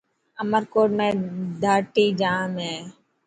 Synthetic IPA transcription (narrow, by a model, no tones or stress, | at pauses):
əməɾkoːɖmẽːd̪ʱaːʈiːd͡ʒaːmɦẽː